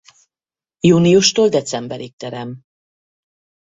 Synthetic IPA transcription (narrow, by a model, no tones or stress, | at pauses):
juːnijuʃt̪oːld̪ɛt̪sɛmbɛɾik̚t̪ɛɾɛm